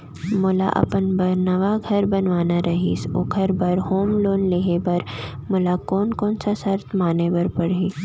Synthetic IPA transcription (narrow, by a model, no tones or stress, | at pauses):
mʊla̰ʔɐ̰pənbɐɾnɐʋaɡʱɐɾbɐnʋaːnaɾɐɦḭsʊ̰kʰəɾbɐɾɦoːmloːnleːɦebɐɾmʊlakɔːnkɔ̃ːnsasɐɾt̪ʰmaːnebɐɾpɐɽiː